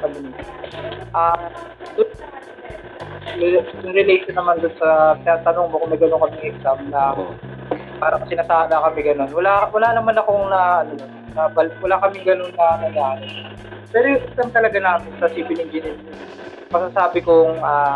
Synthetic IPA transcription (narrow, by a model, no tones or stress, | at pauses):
kɐbɪnɪ | ʔaː | d̪ʊn | d̪ʊŋɾɛlejʃonːɐmand̪onsɐpɪnaːt̪ɐnoŋmokʊmɐjɡɐnoŋkɐmɪŋʔɛksamnɐ | paːɾɐkɐsɪnaːsaːd̪ɐkɐmɛɡɐno̞nwɐlawɐlaːnɐmanɐko̞ŋnɐʔɐno | nɐbɐlwɐlakɐmɪŋɡɐno̞nːɐɐjaːnɪ | pɛːɾojŋʔɛksamt̪ɐlɐɡanaːmɪnsɐsibɪnɪŋd͡ʒɪnɪs | mɐsasaːbɪkoŋaː